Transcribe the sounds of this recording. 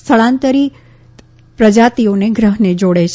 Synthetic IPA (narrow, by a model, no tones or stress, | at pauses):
t̪ʰəɭãnt̪əɾi | pɾəd͡ʒat̪ioneɡɾəɦned͡ʒoɽet͡ʃʰ